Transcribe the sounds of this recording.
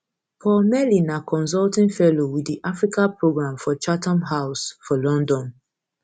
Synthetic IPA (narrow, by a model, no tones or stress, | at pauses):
pʰɔmɛlinakʰɔ̃ns̬ɔltĩnfɛlowiddiʔafɹikãpɹoɡɹãmfɔt͡ʃatɔ̃mɦaʊsfɔlɔ̃ndɔ̃n